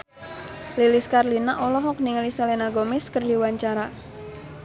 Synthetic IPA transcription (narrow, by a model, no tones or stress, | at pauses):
lilɪskarlinaʔɔlɔɦɔk̚niŋalisalenaɡomɪskərdi̤waɲt͡ʃaɾa